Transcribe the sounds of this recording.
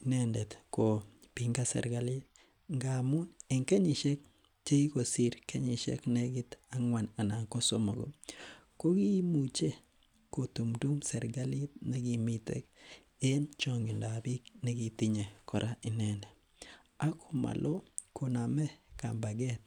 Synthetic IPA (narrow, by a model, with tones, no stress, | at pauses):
nɛ˦ndɛ˨t̪ko˨ | pi˨ŋɡa˦sɛ̰˨ɾɡa˨li˦t̚ | ŋɡa˨mʊ˦ne˨ŋkɛ˦ɲɪ˨ʃɛ˦k̚ | t͡ʃe˦i˦ko˨si˦˨ɾkɛ˦ɲi˨ʃɛ̰˦knɛ˦ɡɪ˦t̪a˦ŋwa˨na˨na˨ŋko˦so˦mo˨ɡo̰˨ | ko˦ki˦mu˨t͡ʃe˦ | ko˨tu˨mdu˦msɛ˨ɾɡa˦lɪ˦t̪ne˦ɡi˨mi˦tḛ˨k̚ | e˦nt͡ʃɔ˦ŋɡi˨nda˨bi˦kne˦ɡi˨ti˦ɲe˨kɔ˨ɾʔa˦ʔɪ˨nɛ˦nɛ˨ | a˦kʰo˦˨ma̰˨lʔo˦kʰo˨na˨mɛ˦ka̰˨mba˨ɡɛ˦t̪̚